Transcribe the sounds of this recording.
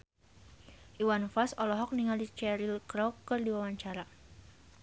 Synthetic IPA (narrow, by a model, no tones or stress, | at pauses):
ʔiwanfasɔlɔɦɔk̚niŋaldit͡ʃɛɾilkɾɔwkɨrdiwawaɲt͡ʃaɾa